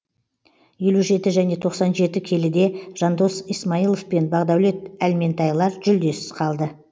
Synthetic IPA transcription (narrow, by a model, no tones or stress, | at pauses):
je̞luʒe̞t̪ɪʒæne̞t̪ʰo̞qsɑnʒe̞t̪ɪkʲʰe̞lɪd̪e̞ʒ̥ɑnd̪o̞sijsmɑijlˠo̞fpe̞nbɑʁd̪ɑwle̞t̪ælme̞nt̪ʰɑjlˠɑɾʒʏld̪e̞sɪz̥qʰɑlˠd̪ə